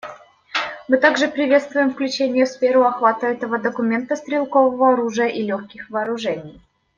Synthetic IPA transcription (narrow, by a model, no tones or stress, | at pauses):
mɨt̪aɡʐɨpɾʲɪvʲe̞t̪st̪vʊjɪmfklʲʉt͡ɕenʲɪjəfsfʲeɾʊɐxvat̪əɛt̪əvəd̪əkʊmʲe̞nt̪əst̪ɾʲɪlˠkovəvəɐɾuʐɨjəʔilʲoxkʲɪxvɐːɾʊʐɛnʲɪj